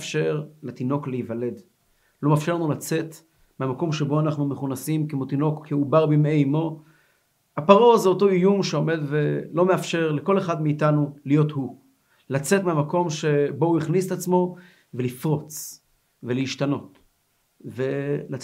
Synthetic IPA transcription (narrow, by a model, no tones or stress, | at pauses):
fʃe̞ʁlet̪ino̞kleivale̞d | lo̞mafʃeʁnulat͡se̞t | meamako̞mʃebo̞anaχnumeχunasimkemot̪ino̞kːeubaʁbimeimo̞ | hapaʁo̞zeoto̞ijumʃeo̞me̞dvelo̞meafʃe̞ʁleko̞le̞χadmeːtanulijo̞thu | lat͡setmeamako̞mʃe̞bo̞uiχniset̪at͡smo̞ | ve̞lifʁo̞t͡s | velejiʃtano̞t | ve̞la